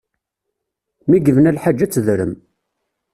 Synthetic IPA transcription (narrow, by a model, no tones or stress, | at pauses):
miɡəvənælħad͡ʒːæt͡sːəðɾəm